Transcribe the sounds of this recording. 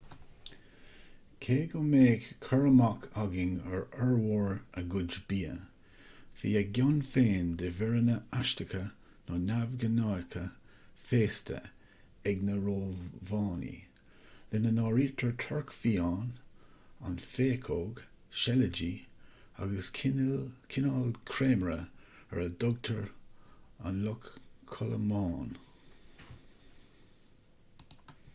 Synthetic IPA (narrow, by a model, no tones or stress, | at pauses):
kʰeːɡɔmeːɡkʰːəɹəmakʰaɡɪŋəɹɛɹwɔɹəɡʊd͡ʒbiːə̰ | fḭːəɡanfeːnd̪ɪvɛɹənəaʃtəkʰə | nɔnavɡənɑːjkʰə | feːstʰə̰ | ɛɡnəɹoːvɑːnḭ | lɪnənɑːɹiːtʰəɹtʰɔɹkfiːɑːn | a̰nfeːkʰoɡ | ʃɛləd͡ʒiː | a̰ɡəs | kʰɪnɑːlkʰɹeːmɹə | ɛ̰ɹədɔɡ̚t̪ʰəɹ | a̰nlɔkkʰːɔlə̰mɑːn